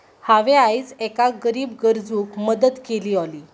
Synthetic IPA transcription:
haʋeajd͡zekaɡəɾiːbɡəɾd͡zuːkməd̪ət̪keliːɔliː

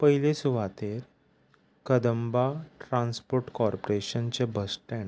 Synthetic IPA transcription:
pəɦilesuʋ̤at̪eɾ | kəd̪əmbaʈɾãnspoɾʈkɔɾpoɾeɕənt͡ɕebʱəsʈɛ̃ɳ

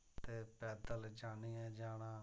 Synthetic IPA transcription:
t̪eːpɛːd̪əld͡ʒaːniːɛ̃ːd͡ʒaːɽãː

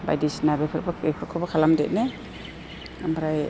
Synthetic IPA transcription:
ba̰jdisnabepʰɯɾbaepʰɯɾkʰɔbakʰalamdet̚ne | ambɾaj

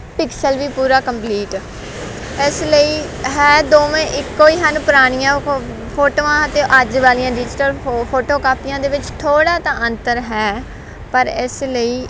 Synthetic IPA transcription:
pɪksəlʋiːpuːɾaːkəmpliːʈ | ɪsləiːɦɛːd̪oːʋẽːʔɪkːoːiːɦənpəɾaːɽ̃ɪjãː | pʰoːʈoːãːət̪ẽːʔəd͡ʒʋaːlijãːɖiːd͡ʒʈəɾpʰoːʈoːkaːpɪjãːd̪eːʋɪt͡ʃt̪ʰoːɽaːt̪ãːʔənt̪əɾɦɛː | pəɾɪsləiː

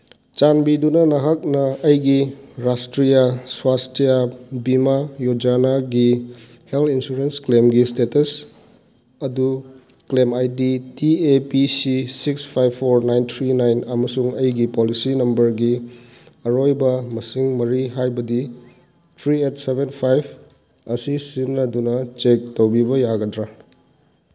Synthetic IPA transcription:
t͡ʃanbidunɐnɐɦak̚nɐːjɡiɾastɾijaswastijabimajod͡ʒanaɡi | heltʰinsuɾensklemɡistetɐs | ɐduklemajditiepisisikspʰajbʰoɾnajnt̪ʰɾinajnɐmɐsuŋɐjɡipolisinɐmbɐɾɡi | ɐɾojbɐmɐsiŋmɐɾiɦajbɐdi | tʰɾiet̚sebenpʰajbʰ | ɐsisinːɐdunɐt͡ʃek̚towbibɐjaɡɐdɾa

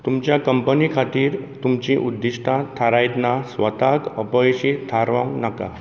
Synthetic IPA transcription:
t̪umt͡ɕjakəmpənikʰat̪iːɾt̪umt͡ɕĩʔud̪ːiɕʈʰãt̪ʰːaɾajt̪nasʋət̪akəpɔjɕit̪ʰaɾʋã̰ŋnaka̰

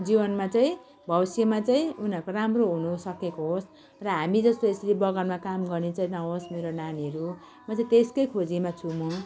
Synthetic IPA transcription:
d͡zibʌnmat͡saĩ | bʱʌwsjemat͡saĩunɦʌrkoramroɦunusʌkekoɦos | rʌɦamid͡zʌst̪oesɾibʌɡʌnmakamɡʌrnet͡saĩnʌɦosmeɾonaniʌɾu | mat͡saĩt̪eskʌjkʰod͡zimat͡sʰumo

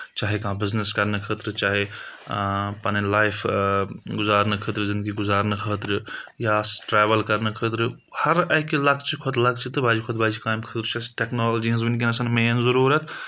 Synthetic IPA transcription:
t͡ʃaːɦekãːbɪzneskɐɾnɨkʰəːt̪ɾɨt͡ʃaːɦe | pɐnilaːjpʰ | ɡʊzaːɾnɨkʰəːt̪ɾɨzɪ̃nd̪̚ɡiɡʊzaːɾnɐkʰəːt̪ɾijaːsʈɾeːʋɐlkɐɾnɨkʰəːt̪ɾɨ | hɐɾɐkilɐkʰt͡ʃʰikʰot̪lɐk̚ʰt͡ʃʰit̪ɨbaːd͡ʒikʰoːt̪baːd͡ʒikaːmkʰət̪ɾt͡ʃʰɐsʈeknoːld͡ʒiɐ̃s̬binkinɐsɐnmeːnzɐɾuːɾɐt̪

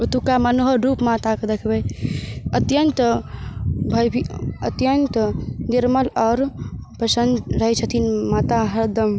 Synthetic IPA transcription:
ut̪ukamanoɦəɾupmat̪akd̪ekʰbejət̪jənt̪ | bʱəjbʱiə̰t̪jənt̪niɾməlɔːɾpəsənd̪ɾəɦet͡ʃʰət̪ʰinmat̪aɦəɾd̪əm

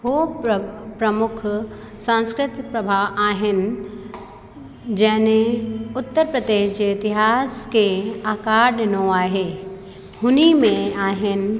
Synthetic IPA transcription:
ɦo | pɾɐmʊkʰ | sãnskɾɪt̪pɾɐbʱaːʋʔaːɦɪnɪ̆ | d͡ʑɐɦɪnẽʊt̪ːəɾpɾəd̪eːʃd͡ʑeɪt̪ɪɦaːskeaːkaːɾɗnoaːɦeː | hʊnimẽaːɦɪnɪ̆

